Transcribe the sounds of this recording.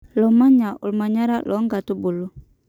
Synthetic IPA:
lɔ˨ma˦ɲa˨ʔṵ˨lma˨ɲa˦ɾa˦lʔɔ˨˦ŋɡa˨tu˦bu˨lu˨

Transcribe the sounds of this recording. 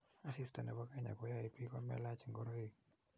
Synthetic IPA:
a˦sista˨nɛ˨bɔ˦ka˦ɲa̰˨kɔ˦ja˦i˨pi˦kɔ˦mɛ̰˦la˦t͡ʃiŋɡɔ˦ɾo˦i˦

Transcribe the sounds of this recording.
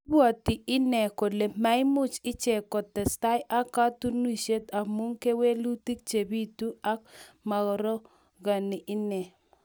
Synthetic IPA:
bwɔ˨tɪ˨ɪ˦nɛ˨ko˨le˨ma˨˦ɪ˦mʊ˦t͡ʃɪ˦t͡ʃɛ˨kɔ˨tɛ˨sta˦jʔa˦ka˦tu˦nu˦i˨ʃe˦t̪a˨mu˦ŋke˦we˦lu˦ti˦k̚t͡ʃe˨bi˦tu˦a˦k | ma˨ɡɔ˨ɾɔ˦ | ɡa˨nɪ˨ʔɪ˦nɛ˨

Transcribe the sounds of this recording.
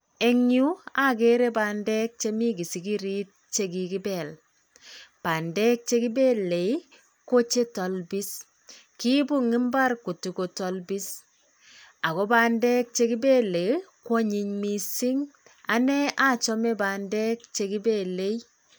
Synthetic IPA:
e˦ŋu˦a˦ke˦ɾe˦ba˨ndɛ˦k̚t͡ʃe˦mi˦ki˨si˨ki˦ɾi˦t̚t͡ʃe˦ki˨ki˦bɛ˨l | pa˨ndɛ˦k̚t͡ʃe˦ki˦be˦le˨ | ko˦t͡ʃe˦tɔ˨lbi˦s | ki˦bu˦ŋi˦mba˦rku˨tu˨ko˨tɔ˨lbi˦s | a˨kɔ˦ba˦ndɛ˦k̚t͡ʃe˧ki˦be˦le˨kwo˦ɲi˧ɲmi˨si˦ŋ | a˦nɛ˦ʔa˦t͡ʃɔ˦me˦ba˨ndɛ˦k̚t͡ʃe˧ki˦be˦le˦j

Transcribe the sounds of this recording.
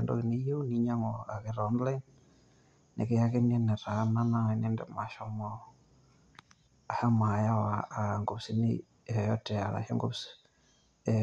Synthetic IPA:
e˨ndo̰˨ki˨ne˦jo˦ni˦ɲa˦ŋoa˨ke˨ɾɔ˦ndla˦n | nḛ˨ke˦ja˦ke˦n˦e˦ne˨ɾa˨˦na˦na˦i˨ne˦ndɛ˨ma˨ʃɔ˨mɔ | a˨ha˦ma˨ja˦waː˨ŋɡo˨psi˦nḭ˦˨ | jɔ˦tɛ˨a˨la̰˨ʃe˦ŋɡṵ˦ps

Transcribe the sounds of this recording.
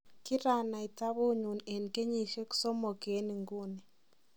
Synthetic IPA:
ki˦ɾa˦˨na˨i˨ta˦βo˦ɲu˨nɛ˨n˨ke˦ɲi˦ʃɛ˦ku̥˦sɔ˦mɔ˨ke˨˦ni˨ŋɡu˦˨nɛ˨

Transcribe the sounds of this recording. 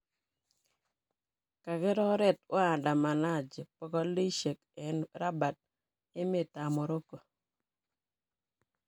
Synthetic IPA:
ka˨kɪ˦ɾɔ˦ɾɛ˦tʊ˦a˨da˨ma˨na˦˨d͡ʒe˨pɔ˨kɔ˦li˦ʃe˨kɛ˨˦nɾa˦ba˨t̚ | e˦me˨ta˨mɔ˨ɾo˦ko˨

